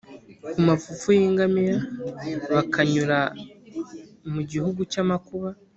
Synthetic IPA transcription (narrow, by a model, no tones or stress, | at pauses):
kumafufujiːŋɡamiɾa | βakʰaɲuɾa | muɟihuɡucamakuβa